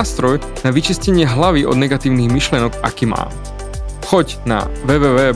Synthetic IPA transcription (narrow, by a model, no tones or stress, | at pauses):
st̪ɾɔj | naʋit͡ʃiscɛɲɪɛɦlaʋiʔɔ̰d̪nɛɡat̪iːʊniɣmiʃlɪɛnɔɡa̰kiːma̰ːm | xɔc | na̰ʋɛːʋɛːʋɛː